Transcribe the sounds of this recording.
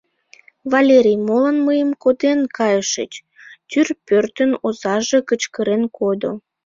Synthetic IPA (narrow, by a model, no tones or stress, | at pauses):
vɑlʲeɾʲijmolənməjəmkod̪enkɑjəʃə̰t͡ɕ | t̪yrpørt̪ənozɑʒekət͡ɕkəɾenkʰod̪o̰